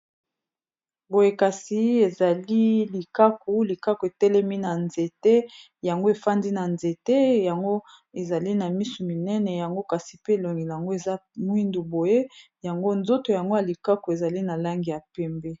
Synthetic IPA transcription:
bo˨je˦ka˨si˨e˨za˨li˦li˨ka˦ko˨li˨ka˦ko˨e˨tɛ˦lɛ˦mi˦na˨nze˨te˦ | ja˨ŋɡo˦e˨fa˦ndi˦na˨nze˨te˦ja˨ŋɡo˦ | e˨za˨li˦na˨mi˦su˨mi˨nɛ˦nɛ˨ja˨ŋɡo˦ka˨si˨pe˦e˨lo˨ŋɡi˨la˨a˨ŋɡo˦e˨za˦mwi˦ndu˨bo˨je˦ | ja˨ŋɡo˦nzo˦to˨ja˨ŋɡo˦ja˨li˨ka˦ko˨e˨za˨li˦na˨la˦ŋɡi˨ja˨pɛ˦mbe˦

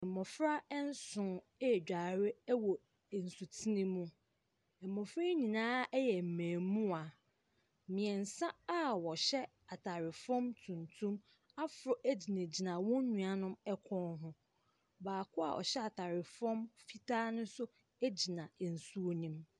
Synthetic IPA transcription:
ɛ˨mɔ˨fɾa˦ɛ˦n̩˦sʊ̃˨˦˨ | d͡ʑᶣa˨ɾɪ˦wɔ˨ | n̩˨su˨tʰi˦nĩ˦mũ˦ | ɛ˨mːɔ̃˨fɾa˦ɲĩ˨nãː˦ɛ˦jɛ˨m̩˨mæ̃ː˨mũ˦a˨ | mĩ˨ɛ˨n̩˨sã˦a˦wɔ˨ɕɛ˦ | a˨tʰa˨ɾɪ˨fɔ̃˦mtʰũ˨ntʰũ˦m | a˦fʊ˨ɾɔ˨ʔæ˦d͡ʑi˨nẽ˨d͡ʑi˨nã˨wɔ̃˦ɲũ˨a˨nʊ̃˦mɛ˦kʷʰɔ̃˦nɦʊ̃˦ | baː˨kʰʊ˦a̰˨ʔɔ̰˨ɕɛ˦a˨tʰa˨ɾɪ˨fɔ̃˦mfi˦tʰaː˦nʊ̃˦sʊ˦ | e˦d͡ʑi˨nã˨n̩˨su˦o˦nĩ˦m

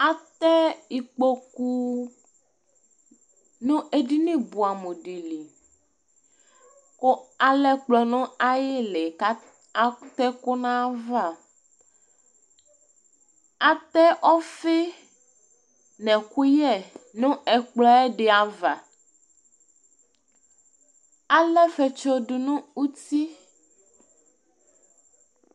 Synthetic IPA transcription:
a˨t̪ɛ˦i˨k͡po˦ku˦ | nũ˦ʔe˦ɖi˦nĩ˦bu˨a˨mõ˨ɖi˨li˨ | ko˦a˨lɛ˦k͡plɔ˨nɔ̃˦a˦je˦le˨ka˦˨ | t̪ɛ˦ko˦nã˦va˦˨ | a˨t̪ɛ˦ʔɔ˦fe˦ | nɛ̃˨ku˦jɛ˦˨nũ˦ɛ˨k͡plɔ˦ɛ˦ɖe˨a˨va˨ | a˨lɛ˦fe˨t͡ʃɔ˦ɖu˨nũ˦u˦t̪i˦

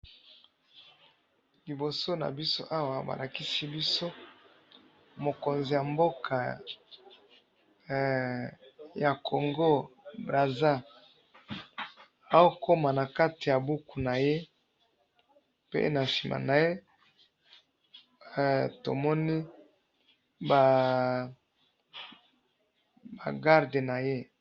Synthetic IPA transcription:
li˨bo˨so˦na̰˨bi˦so˦ʔa˦wa˨ba̰˨la˨ki˦si˦bi˦so˦ | mo˨ko˨nzi˨ja˨mbo˦kʰa˨ | ja˨kʰo˨ŋɡo˦bʁa˨za˦˨ | a˦o˦ko˦ma˨na˨ka˦ti˨ja˨bu˦ku˨na˨je˦ | pḛ˦na˨ʃi˨mʔa̰˨na˨je˦˨ | to̰˨mɔ˦ni˦ | ba˨ | ba̰˨ɡa˦ʁde˨na˨je˦

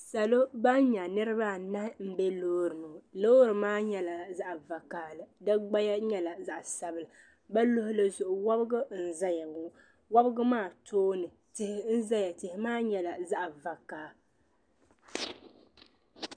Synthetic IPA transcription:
sa˨lo˦ba˦n˦ɲa˨nɨ˦ɾɨ˦ba˦na˦hm̩˨bɛ˦loː˦ɾɨ˨nʊ˨loː˦ɾɨ˨maː˦ɲɛ˨la˨za˦ʔva˨kaː˦lɨ˨dɨ˦ɡ͡ba˦ja˦ɲɛ˦la˨za˦ʔsa˨bɨ˨la˨ | ba˦lo˦hʊ˦lɨ˦zʊ˨ʔʊ˨wa˦bɨ˦ɡʊ˦n̩˨za˦ja˨ŋʊ˦ | wa˦bɨ˦ɡʊ˦maː˦˨tʰoː˦nɨ˨ | tɪ˨hɪ˨n̩˦za˦ja˨tɪ˨hɪ˨maː˦ɲɛ˨la˨za˦ʔva˨kaː˦

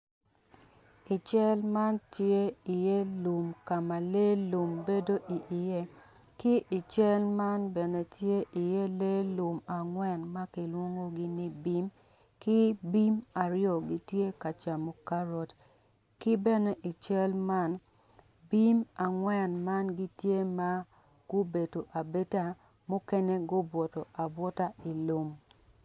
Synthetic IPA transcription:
i˨t͡ʃɛ˦lma˦ntje˦i˨je˦lu˨mka˨ma˨le˦lu˨mbe˦do˦ʔi˨ʔɪ˨je˦ | kɪ˦ʔɪ˨t͡ʃɛ˦lma˦nbɛ˨ne˨tje˦ʔi˨je˦le˦lu˨ma˨ŋwɛ˨nma˦kɪ˨lwo˦ŋo˦ɡɪ˦ni˦bi˦m | kɪ˦bi˦ma˨ɾɪjɔ˨ɡɪ˦tje˦ka˨t͡ʃa˨mo˨ka˦ɾɔ˨t | kɪ˦bɛ˦nɛ˦ʔɪ˨t͡ʃɛ˦lma˦n | bi˦ma˨ŋwɛ˨nma˦nɡɪ˦tje˦ma˦ | ɡ̥ʊ˦be˨to˨ʔa˨be˦ta˦ | mo˦ke˦ne˦ɡʊ˦bwɔ˨tɔ˨ʔa˨bwɔ˦ta˦ɪ˨lo˨m

